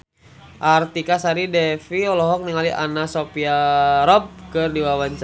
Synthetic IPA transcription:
ʔart̪ikasaɾidɛfiɔlɔɦɔk̚niŋaliʔa̰nasopiaɾɔb̚kɨrdiwawaɲs

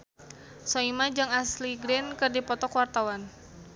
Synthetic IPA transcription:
sɔimad͡ʒaŋasliɡɾɛnkɨrdipɔt̪ɔkwart̪awan

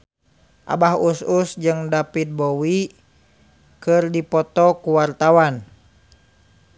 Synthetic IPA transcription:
ʔa̰baɦususd͡ʒɨŋdapit̪̚bɔwi | kɨrdipɔt̪ɔkuwart̪awan

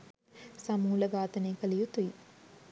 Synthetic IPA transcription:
sɐmuːlɐɡaːt̪ɐneːkəlijut̪uji

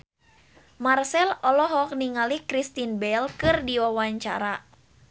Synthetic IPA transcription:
marsɛlɔlɔɦɔk̚niŋalikɾist̪inbɛlkɨrdiwawaɲt͡ʃa̰ɾa

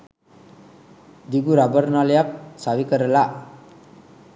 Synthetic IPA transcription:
d̪iɡuɾabəɾnaləjak̚saʋikəɾəla

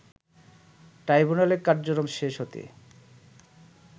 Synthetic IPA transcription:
ʈɾajbunaleɾkaɾd͡ʑokɾomʃeʃɦot̪ḛ

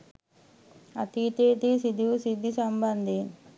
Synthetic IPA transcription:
ɐt̪iːt̪eːt̪isid̪ʱiusid̪ʱːisɐmbɐnd̪i

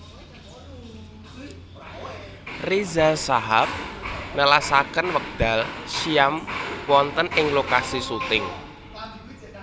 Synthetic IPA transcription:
rizasaɦap̚nəlasakənwək̚d̪̥a̤lʃiamwɔnt̪ənɪŋlokasisut̪ɪŋ

